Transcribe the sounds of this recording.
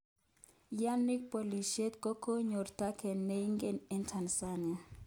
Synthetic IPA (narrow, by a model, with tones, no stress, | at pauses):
ja˦nːi˦k̚po˨li˨ʃe˦t̪ko˦ko˦ɲo˨rta˦kʰɛ˨nːe˦i˦ŋɡe˦nɪ˦ntʰa˨nsa˦ne˨